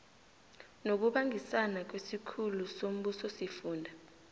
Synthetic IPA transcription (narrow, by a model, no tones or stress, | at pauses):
nok̬uɓaŋʱisanak̬wesikʰulusom̩ɓusɔsifuːndʱa